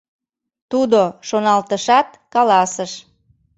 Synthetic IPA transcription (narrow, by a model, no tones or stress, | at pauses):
t̪ud̪oʃonɑlt̪əʃɑt̪̚ | kɑlɑsəʃ